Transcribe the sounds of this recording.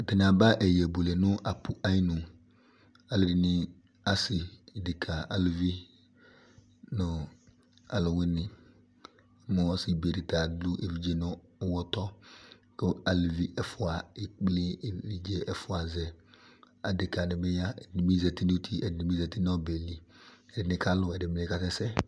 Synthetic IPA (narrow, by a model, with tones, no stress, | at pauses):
tɪ˨n˨a˨ba˦ʔɛ˨jɛ˨bo˨lɛ˨nʊ˦ʔa˨pʰu˨ʔa˦ji˦nʊ̃˨ | a˦lɪ˨ɾi˨nɪ˦ | a˦sɪ˨dɪ˨kʰa˨a˦lɪ˨vi˦ | nɔ˨ | a̰˨lʊ˨wɪ˦nɪ̃˨˦ | mɔ˨ɔ˦sɪ˨be˨ɾi˨ta˨dlu˦ʔe˨vi˨d͡ʒe˨nɔ˦wɔ˦tɔ˦ | kɪ˦a˨lvi˦ʔɛ˦fʊ˨a˨ɪ˨k͡plɪ˦˨ɾi˨d͡ʒe˦ʔɛ˦˨fʊ˦a˨zɛ˨ | a˨dɪ˨ka˨nɪ˨mɪ˦ja˦ɛ˨dɪ˨nɪ˨mi˦zɛ˨ti˦nu˦tʰi˦ɛ˨dɪ˨nɪ˨mi˦zɛ˨ti˦n˦ɔ˦bɛ˨li˨ɛ˨dɪ˨nɪ˨ka˦lʊ˨ɛ˨dɪ˨mɪ˨nɪ˨ka˨tɛ˦sɛ˦